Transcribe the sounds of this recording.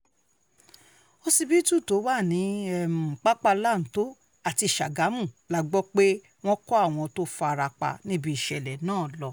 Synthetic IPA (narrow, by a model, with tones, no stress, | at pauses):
o˦si˧bi˦tu˦˨to˨˦wa˦˨nĩ˨˦ɛ˦˨mũ˨k͡pa˦k͡pa˧la˦˨n̩˨˦to˦ | a˦˨ti˧˨ʃa̰˨ɡa˨˦mũ˦˨la˦ɡ͡bɔ˦k͡pe˦ | w̃ɔ̃˦kɔ˦a˦˨w̃ɔ̃˧to˦fa˧ɾa˧k͡pa̰˧nĩ˦bi˦i˦˨ʃɛ˨lɛ˨nãː˦˨lɔ˧